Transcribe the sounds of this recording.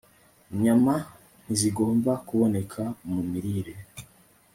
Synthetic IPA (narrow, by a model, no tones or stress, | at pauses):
ɲama | n̥iziɡo̞ːmbakuβo̞ne̞kʰamumiɾiɾe